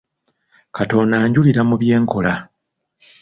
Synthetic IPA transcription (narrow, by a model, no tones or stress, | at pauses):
kato̞naːɲɟuliɾamuβje̞ːŋko̞la